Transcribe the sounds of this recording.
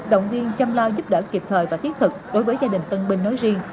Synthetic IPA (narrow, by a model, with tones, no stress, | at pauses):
ɗə˧˨wŋ͡mzi˧ənt͡ɕa˧mlaː˧jzu˦˥p̚ɗəː˧˩ki˨˩p̚t̪ʰəː˨˩jvaː˨˩t̪ʰi˦˥k̚t̪ʰɨ˨˩k̚ɗo˨˦jvəː˨˦jzaː˧ɗï˨˩ŋ̟t̪ə˧nɓï˧ŋ̟no˨˦jzi˧əŋ